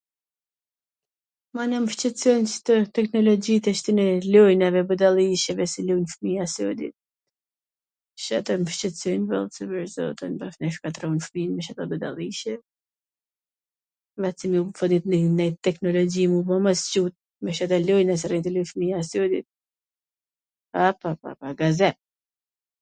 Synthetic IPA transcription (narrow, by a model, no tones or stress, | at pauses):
manaməʃt͡ʃɛt̪t͡sɔjnt͡ʃt̪ət̪ɛknɔlɔd͡ʑit̪ɛʃt̪inɛlɔjnɛvɛbəd̪alˠiʃɛvɛsilujnfəmiasɔd̪ḭt̪̚ | ʃat̪ɔməʃt͡ʃɛt̪t͡sɔjnvɛ̰lˠsɛbɛɾzɔ̰t̪ənbafnɛʃkat̪ɾɔnfminmɛʃat̪abəd̪a̰lˠiʃɛ | vat͡simiufɔt̪it̪nnɛjt̪ɛknɔlɔd͡ʑimubɔmast͡ʃut̪̚ | mɛʃat̪alɔjnɛs̬iɾɛnt̪ilujfmiasud̪ḭt̪̚ | apapa̰paɡazɛ